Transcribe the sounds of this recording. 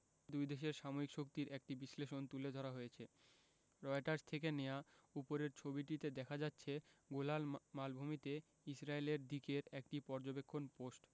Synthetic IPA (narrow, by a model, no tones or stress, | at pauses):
d̪ujd̪eʃ̬eɾʃamoɾikʃokt̪iɾʔek̚ʈibiʃleʃont̪uled̪ʱɔɾaɦojet͡ɕʰe | ɾɔeʈaɾst̪ʰekenejaupoɾeɾt͡ɕʰobiʈit̪ed̪ɛkʰad͡ʑatːɕʰeɡolalmalbʱumit̪e | isɾaeleɾd̪ikeɾek̚ʈipɔɾd͡ʑobekʰːonposʈ